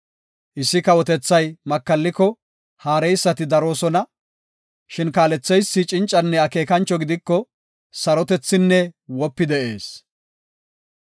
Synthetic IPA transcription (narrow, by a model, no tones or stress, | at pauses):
ʔɪsːɪkɐwɔt̪ɛt͡sːɐjmɐkːɐlːɪkːɔ | haːɾɛjsːɐt̪ɪd̪ɐɾo̞ːsɔnɐ | ʃɪnkaːlɛt͡sːɛjsːɪt͡ʃʼɪnt͡ʃʼːɐnːɛɐke̞ːkɐnt͡ʃːɔɡɪd̪ɪkːɔ | sɐɾɔt̪ɛt͡sːɪnːɛwɔpːɪd̪ɛʔe̞̰ːs